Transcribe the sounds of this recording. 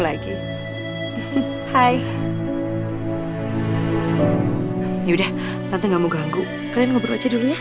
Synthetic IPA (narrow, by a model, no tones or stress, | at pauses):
laɡi | haj | jiudah | t̪ant̪iŋɡamuɡaŋɡu | kalianŋabərwa̰t͡ʃaduluja